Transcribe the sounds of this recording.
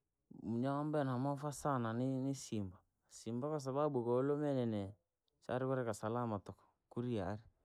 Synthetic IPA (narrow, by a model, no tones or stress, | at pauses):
uɲaambɛnamafasananɪnɪsimba | simbakas̬ababukɔlomɛnɛnɛ | sa̰ɾɪkɔɾɛkasalamatɔk | kuɾiaɾi